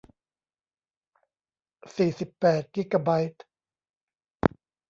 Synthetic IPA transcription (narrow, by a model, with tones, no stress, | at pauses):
siː˨˩si˨˩pːɛː˨˩t̪̚ki˦˥ka˧ba˧jt̪̚